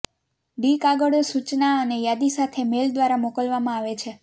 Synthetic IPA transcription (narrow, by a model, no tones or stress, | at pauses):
ɖikaɡəɽosut͡ʃnaənejad̪isat̪ʰemeld̪ʋaɾamokəlʋamãaʋet͡ʃʰe